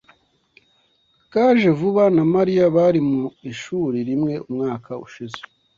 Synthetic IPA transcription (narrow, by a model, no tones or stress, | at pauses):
kaʒevuβanamaɾijaβaɾimuiʃuːɾiɾimŋe̞ʔumŋaːkʰaṵʃize